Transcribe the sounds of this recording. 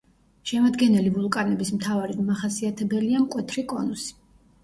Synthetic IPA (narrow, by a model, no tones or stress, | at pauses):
ʃɛmad̪ɡɛnɛlivulˠkʼanɛbismt̪ʰavaɾid̪maχasiat̪ʰɛbɛliamkʼwɛt̪ʰɾikʼɔnusi̥